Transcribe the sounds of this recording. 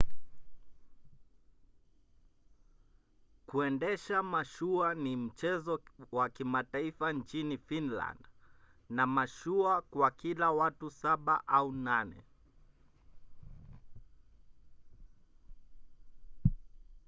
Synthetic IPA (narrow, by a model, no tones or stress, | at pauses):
kuɛndɛʃamaʃuanim̩t͡ʃɛzɔwakimataifant͡ʃinifinla̰nd | namaʃuakwakilawatusaɓa̰ʔaunanɛ̰